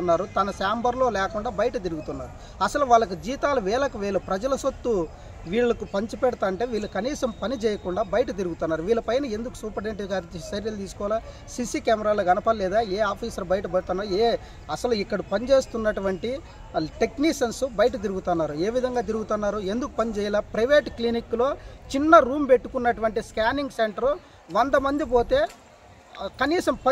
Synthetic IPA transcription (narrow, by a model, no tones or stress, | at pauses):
unːaːɾut̪ɐnɐsaːmbɐɾlo̞ːlɛːkuɳɖaːbɐjɐʈɐt̪̬iɾuɡut̪unːaːɾu | ɐsɐluʋaːɭːɐk̬ud͡ʒiːt̪aːlɐʋɛːɭɐkuʋɛːɭupɾɐd͡ʒɐlɐsot̪ːu | ʋiːɭːɐkupɐɲt͡ʃupɛɽɐt̪aːɐɳʈe̞ːʋiːɭːukɐniːsɐmpɐnit͡ʃɛːjɐkuɳɖaːbɐjɐʈɐt̪̬iɾuɡut̪unːaːɾuʋiːɭːɐpɐjnɐe̞nd̪uku̥suːpɐɾeɳʈiɡaːɾsɐɾjɐlt̪iːsu̥kɔːlaː | sisikaːmɛɾaːloːɡɐnɐpaːllɛːd̪aːeːaːpʰiːsɐɾbɐjɐʈɐpɐɽut̪unːaːeː | ɐsɐluikːɐɽupɐnid͡ʒeːst̪unːɐʈuʋɐɳʈi | ʈekniksɐnsubɐjɐʈ̬ɐt̪̬iɾuɡut̪unːaːɾueːʋid̪ʱɐŋɡaːt̪̬iɾuɡut̪unːaːɾue̞nd̪uku̥pɐnit͡ʃɛːjɐlaːpɾɐjʋeːʈklinikːlo̞ːt͡ʃinːɐɾuːmpe̞ʈːukunːɐʈuʋɐɳʈiskʲaːniŋɡseɳʈɐɾ | ʋɐnd̪ɐmɐnd̪ip̬o̞ːt̪e̞ː | kɐniːsɐmpɐ